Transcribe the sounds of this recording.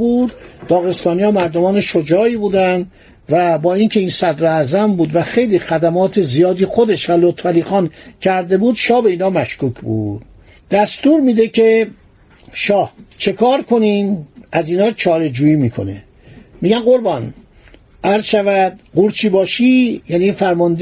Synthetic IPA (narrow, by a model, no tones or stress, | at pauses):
buːd̪d̪ɒːɣe̞st̪ɒːnijɒːmæɾd̪omɒːne̞ʃod͡ʒɒːiːbuːd̪ænd̪ | væbɒːincʰe̞iːnsæd̪ɾoæzæmbuːd̪væxe̞jliːxæd̪æmɒːt̪ʰezijɒːd̪ixod̪e̞ʃvælot̪fæliːxɒːncʰæɾd̪e̞buːd̪ʃɒːhbe̞iːnɒːmæʃkuːkʰbṵːd̪̥ | d̪̥æst̪uːɾmiːd̪e̞kʰe | ʃɒːht͡ʃʰe̞kʰɒːɾkʰo̞niːnæziːnɒːt͡ʃʰɒːɾe̞d͡ʒuːiːmiːkʰo̞̰nḛ | miːɟænɢoɾbɒn | ʔæɾzʃævæd̪̥ɢuɾt͡ʃʰiːbɒːʃijæːniːfæɾmɒnd̪